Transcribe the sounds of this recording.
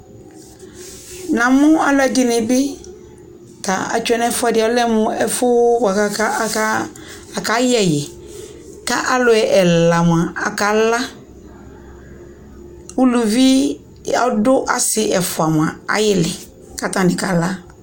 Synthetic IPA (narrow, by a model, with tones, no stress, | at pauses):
nã˨mʊ̃˦a˨la˨dɪ˨nɪ̃˨bɪ˦ | ta˨a̰˨t͡ʃʊ˦ɛ˦nɛ˦fʊ˦a˦˨dɪ˨ɔ˦lɛ˦mʊ̃˦ɛ˦fʊ˦wa˨a˦ | a˨ka˨˦jɛ˨jɪ˨ | ka˦ʔa˨lʊ˨ɛ˨ʔɛ˨la˨m̃˨a˨a˨ka˨la˦ | wʊ˦lu˨vi˦ | a̰˨dʊ˦ʔa̰˨sɪ˨ʔɛ˨fʊ˨a˨mʊ̃˨ã˨a̰˨jɪ˦lɪ˨ | ka˦tã˨nɪ̃˨ka˨la˦